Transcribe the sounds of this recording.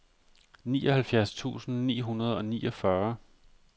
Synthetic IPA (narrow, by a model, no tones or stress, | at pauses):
nḭːɒ̽hælfjæɐst͡sʰṵːsn̩nḭːɦunɐð̞ˠɒ̽niːɒfɶɐ